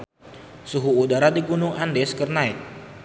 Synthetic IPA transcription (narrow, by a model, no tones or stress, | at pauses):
suɦuːdaɾadiɡunʊŋʔandɛskərnaɪt̪̚